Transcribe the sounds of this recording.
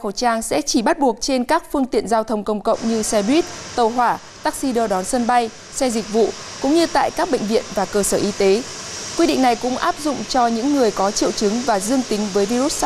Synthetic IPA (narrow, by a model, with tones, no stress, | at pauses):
xo˧˩t͡ɕaː˧ŋsɛ̰˧˥t͡ɕi˧˩ɓa˦˥t̚ɓu˨˩ək̚t͡ɕe˧nkaː˦˥k̚fɨ˧əŋt̪ḭ˧˨ənzaː˧wt̪ʰə˧wŋ͡mkə˧wŋ͡mkə̰˧˨wŋ͡mɲɨ˧sɛ˧ɗwi˦˥t̚t̪ə˨˧˩wɦwaː˧˩ | t̪aː˦˥k̚si˧ɗəː˧ɗɔ˨˦nsə˧nɓa˧j | sɛ˧zï˨˩k̟̚vṵ˧˨kʊ̰˧˥ŋ͡mɲɨ˧t̪a̰ː˧˨jkaː˦˥k̚ɓḛ˧˨ŋ̟vḭ˧˨ənvaː˨˩kəː˧səː˧˩ʔi˧t̪e˨˦kwi˧ɗḭ˧˨ŋna˨˩jkʊ̰˧˥ŋ͡mʔaː˦˥p̚zʊ̰˧˨ŋ͡mt͡ɕɔ˧ɲɨ̰˧˥ŋːɨ˨˩əjkɔ˨˦t͡ɕḭ˧˨əwt͡ɕɨ˨˦ŋvaː˨˩zɨ˧əŋt̪ï˨˦ŋ̟vəː˨˦jvi˧ɾu˦˥t̚s